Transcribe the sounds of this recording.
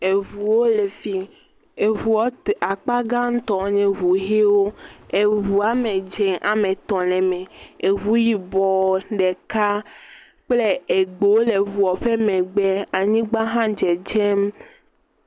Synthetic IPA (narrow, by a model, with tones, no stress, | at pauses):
e˨βu˨wo˦le˨fi˦ | e˨βu˨ɔ˦ta˨k͡pa˦ɡã˦ŋ̩˦t̪ɔ̃˨˦ɲẽ˨ɦu˨ɦe˦wo˦e˨ɦu˨a˨mẽ˨d͡ʒɛ̃˨ŋʔa˨mẽ˨t̪ɔ̃˨lɛ˨mẽ˨e˨ɦu˦ji˨bɔ˨ɖɛ˨ka˦ | k͡ple˦e˨ɡ͡bo˨wo˦le˨βu˨ɔ˨ɸe˦mɛ̃˨ɡ͡bɛ˦a˨ɲĩ˦ɡ͡ba˦ɦã˦d͡ʒɛ˨d͡ʒɛ˦m